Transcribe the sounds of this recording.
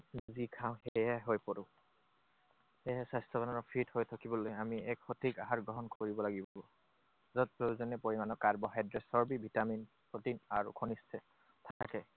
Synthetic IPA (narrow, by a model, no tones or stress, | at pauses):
zikʰaʊ̃hɛjɛɦojpoɹʊ̃ | hɛɦɛsastʰɔbananɔpʰithojtʰakibɔlojamiɛkxotʰikaɦaɹɡɹɔɦɔnkoɹibɔlaɡibɔbɔ | zɔtpozɔnɛpoɹimanɔkaɹbɔɦajdɹɛsɔɹbibʱitamin | potinaɹṵkʰonistʰɛ | t̪ʰaakɛ